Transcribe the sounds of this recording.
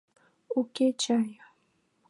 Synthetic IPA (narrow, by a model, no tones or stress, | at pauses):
ʊket͡ʃaja